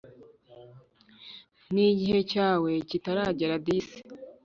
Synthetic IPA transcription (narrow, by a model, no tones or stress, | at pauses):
niɟihe̞caːwe̞citaɾaːɟeɾadise̥